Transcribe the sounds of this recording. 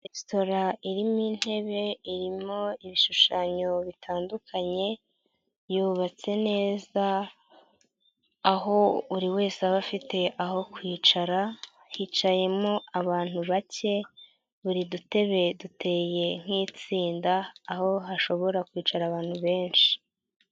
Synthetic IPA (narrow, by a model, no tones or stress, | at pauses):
esto̞ɾaiɾimiːn̥he̞βe̞iɾimo̞iβiʃuʃaːɲo̞βitʰaːndukʰaɲe̞ | juβat͡se̞ne̞ːza | ɦo̞uɾiwe̞ːseaβafite̞ʔaho̞kwiːt͡ʃaɾa | hit͡ʃaje̞mo̞aβaːn̥huβace̞ | βuɾidute̞βe̞dute̞ːje̞ŋ̥iːt͡siːndaːho̞ɦaʃo̞βo̞ɾakwiːt͡ʃaɾaβaːn̥huβe̞ːnʃi̥